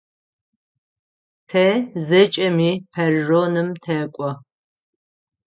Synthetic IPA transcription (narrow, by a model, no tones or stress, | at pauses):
tʰɐzɨt͡ʃʼɐmiːpʰɐrːoːnɨmtʰɐːkʷʼɔ